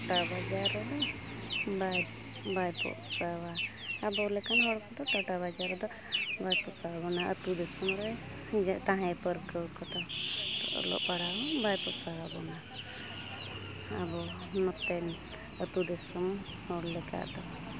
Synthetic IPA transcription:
ʈabad͡ʒaɾɔd̪ɔ | baj | bajpɔ̰ʔsawa | abɔlɛkanɦɔɽkɔt̪ɔt̪aʈabad͡ʒaɾɔd̪ɔ | bajpɔʔsawabɔnaʔət̪ud̪ɛsɔmɾɛ | t̪ãɦɛ̃pəɾkəwkɔt̪at̪ɔ̰ʔɔ̰lɔ̰ʔpaɽawɔbajpɔʔsawabɔna | a̰bɔ | mɔt̪ɛn | ət̪ud̪ɛsɔm | hɔɽlɛka̰ʔd̪ɔ

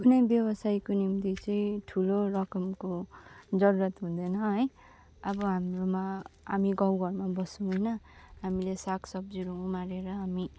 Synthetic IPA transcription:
ɡd̪ʱunʌjbjʌbʌsajkonimt̪it͡sʌĩʈʰulorʌkʌmkod͡zʌɾuɾʌt̪ɦũd̪ʌnʌɦʌj | ʌbʌɦamromaa̰miɡʌwɡʱʌrmabʌsũɦʌjnʌɦamilesakʰsʌbd͡ziɾuːmaɾeɾʌɦami

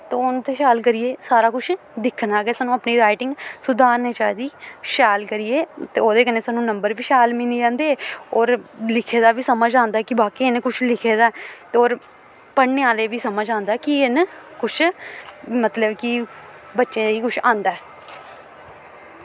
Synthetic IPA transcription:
t̪oːʊnt̪eːʃaːlkəɾijeːsaːɾaːkʊt͡ʃʰ | d̪ɪkʰːnaːɡɛːsaːnũːəpniːɾaːɪʈɪŋɡsʊd̪aːɾneːt͡ʃaːd̪iːʃaːlkəɾieːt̪eːoːd̪eːkəneːsaːnũːnəmbəɾʋiːʃɛːlmiːnid͡ʒãːnd̪eːɔːɾlɪkʰeːd̪aːʋiːsəməd͡ʒãːnd̪aɛːkɪbaːkiːɪnkʊt͡ʃʰlɪkʰeːd̪aːɛt̪ːoːɾ | pəɽneːaːleːʋiːsəməd͡ʒãːnd̪aːɛkiɪnkʊt͡ʃʰ | mət̪ləbkɪ | bətːʃẽːiːkʊt͡ʃʰãːnd̪aːɛː

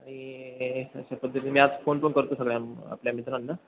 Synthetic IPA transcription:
aɽ̃i | ə̰ɕapəd̪ʱːət̪iːmiːad͡zfonponkəɾt̪osəɡɭjama̰pljamit̪ɾanːa

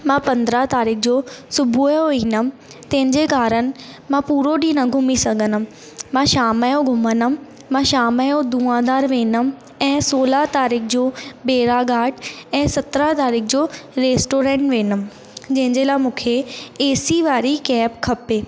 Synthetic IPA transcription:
mãːpɐ̃nd̪ɾat̪aːɾiːk̚ʰd͡ʑoːsʊbʱujoʋiːnəm | t̪ɐ̃ɦɪ̃ɲd͡ʑekaːɾənɪ̆mãpuːɾoɗĩːnɐɡʱʊmisɐɡʱənə̆m | mãːʃaːmaːjõɡʱʊmənə̆m | mãːʃaːmaːjõd̪uːãːd̪aːɾʋeːnəm | ɛ̃ːsoːlat̪aːɾiːkʰd͡ʑoːbeːɾaɡaːʈɛ̃ːsɐt̪ɾat̪aːɾiːk̚ʰd͡ʑoːɾeːsʈoːɾẽːɳʈʋeːnəm | d͡ʑɐ̃ɦɪ̃ɲd͡ʑelaːɪmũːkʰeeːsiʋaːɾikɛːpkʰɐpeː

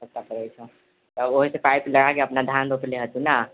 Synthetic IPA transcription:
səkt̪ːakəɾɛjt͡ʃʰə̃ | t̪ɔəboɦisepajpləɽakeəpnad̪ʱand̪opleɦət̪ĩna

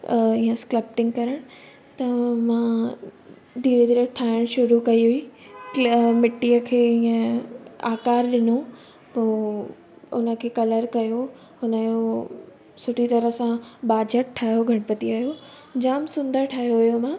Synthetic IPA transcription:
ĩːə̃skləpʈɪ̃ŋɡkɐɾəɽ̃ | t̪ɐmãː | d̪ʱiːɾed̪iːɾəʈʰaːɪɽ̃ʃʊɾukɐiɦʊiː | mɪʈːijəkʰeːiːə̃aːkaːɾɗɪno | poː | ʊ̰nə̆kʰeːkɐləɾkɐjo | hʊnəjo | sʊʈʰit̪ɐɾəsãɓaːd͡ʑəʈʈʰːaːɦjoɡʱɐɽpɐt̪iaːjo | d͡ʑaːmsʊ̃nd̪əɾʈʰaːɦjoɦʊjomãː

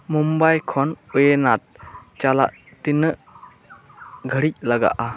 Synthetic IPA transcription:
mumbajkʰɔnujenat̪̚t͡ʃala̰ʔ | t̪inəʔ | ɡʱəɽic̚laɡa̰ʔa

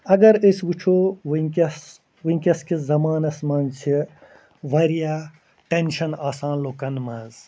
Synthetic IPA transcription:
ɐɡɐɾisʋut͡ʃʰoʋiŋkʲɐs | ʋiŋʲkʲɐskʰizɐmaːnɐsmaːnt͡ʃʰi | ʋɐɾija | ʈenʃɐnaːsaːnloːkɐnmɐz

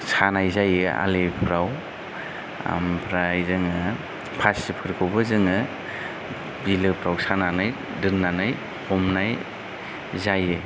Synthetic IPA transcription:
sanajzajɯa̰lepʰɾaw | a̰mpʰɾajzɯŋɯ | pʰasipʰɯɾkʰɯwbɯzɯŋɯ | bilɯpʰɾawsananaj | dɯnːanaj | hʰɔmnaj | zajɯ

